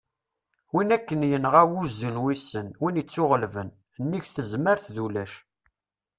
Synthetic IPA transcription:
winækːənjənʁæwuzənwisːənwinət͡sːʊʁəlvən | nːiçθəzməɾθðulæʃ

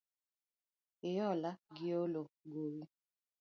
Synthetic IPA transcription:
ɪjɔlaɡioloɡowi

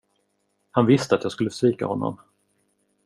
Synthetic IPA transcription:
hanvɪst̪əat̪jɑːɡskɵlːəsviːka̰hɔnːɔ̰m

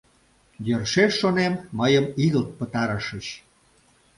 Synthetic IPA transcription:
jørʃeʃːonemməjəmiɣəlt̪̚pət̪ɑɾəʃət͡ɕ

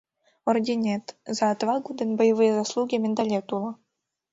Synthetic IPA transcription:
ordʲinʲet̪zɑːt̪vɑɡud̪ɘ̆nbɤ̆jəʋɨjzaslˠuɡʲimʲɘnd̪alʲet̪ulˠɤ̆

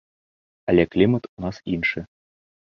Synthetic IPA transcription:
alʲɛklʲimət̪unɑsinʂɨ

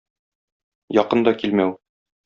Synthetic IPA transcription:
jɒqɤ̆nd̪ɑkilmæw

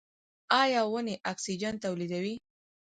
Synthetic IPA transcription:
ɑjɑwəneʔaksid͡ʒant̪awlid̪awi

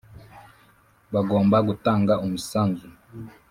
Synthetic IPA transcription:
baɡɔːmbaɡ̬utaŋɡaʔumusanzu

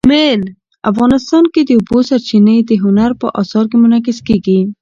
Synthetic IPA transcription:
mel | a̰fɣɑnɪst̪ɑnked̪əʊbosaɾt͡ʃinəd̪əɦʊnaɾpə̰ʔɑ̰sɑɾkemʊnakɪskeɡi

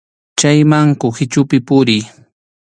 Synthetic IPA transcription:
t͡ʃajmaŋkʊxɪt͡ʃʊpɪpʊɾɪj

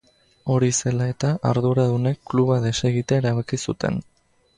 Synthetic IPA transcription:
o̞ɾise̞lae̞t̪aʔaɾðuɾaðune̞kːluβaðe̞se̞ɣit̪aeɾaβakisut̪e̞̰n

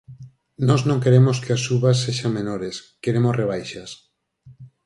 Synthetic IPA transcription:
nɔznõŋkeɾemoskeasuβas̬ːeʃaŋmenoɾeskeɾemosreβ̞ajʃas

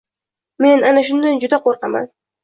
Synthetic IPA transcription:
me̞nanaʃ̬ʊnd̪and͡ʒʊd̪aqʰoɾqɑma̰n

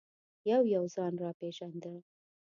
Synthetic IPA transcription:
jawjawzɑnɾɑpeʒand̪ə

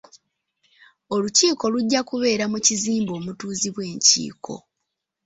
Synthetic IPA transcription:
o̞luciːko̞luɟːakuβe̞ːɾamuciziːmbo̞ːmutuːziβwe̞ːɲcḭːkʰo̞̰

